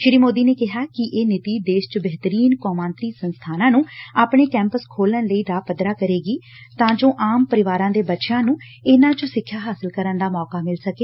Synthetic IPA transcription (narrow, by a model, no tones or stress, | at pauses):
ʃɪɾiːmoːd̪iːneːkɪɦaːkɪʔeːnɪt̪iːd̪eːʃt͡ʃəbɛɦt̪əɾiːnkɔːmãːnt̪ɾiːsənst̪ʰaːnãːnũːaːpɳeːkɛ̃ːmpəskʰoːlənləiːɖaːpəd̪ɾaːkəɾeːɡiː | t̪ãːd͡ʒoːʔaːmpəɾɪʋaːɾãːd̪eːbətːʃãːnũː | ɪnãːt͡ʃosɪkʰːjaːɦaːsəlkəɾənd̪aːmɔːkaːmɪlsəkeː